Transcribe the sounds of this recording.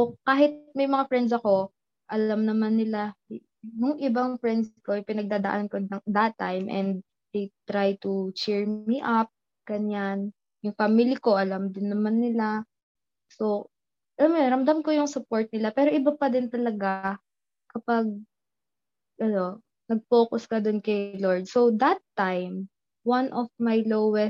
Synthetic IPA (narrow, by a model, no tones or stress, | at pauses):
okaːɦɪt̪̚mɐjmɐŋafɹɛnd̪s̬ɐko̞ | ʔɐlamnɐmanːɪla | jʊŋʔɪbaŋfɹɛnd̪sko̞ɐjpɪnɐɡ̚d̪aːd̪ɐʔankoɐŋd̪at̪ːajmʔɛ̰nd̪̚ | d̪ejt̪ɾajt̪ut͡ʃɛɹmiʔap̚ | ɡ̥ɐɲan | jʊŋfamiliko̞ʔɐlamd̪ɪnːɐmanːɪla | so̞ | ʔɐlamoj̪ɾɐmd̪amkojʊŋsʊpoɹt̪̚nɪlapɛːɾoʔɪbapɐd̪ɪnt̪ɐlɐɡa | kɐpaɡ̚ | ʔɐno̞ | nɐɡ̚fo̞ːkʊskɐd̪ʊnkɐjloɹd̪̚sowd̪ɐt̪ːajm | wanʔɔfmajlowwɛs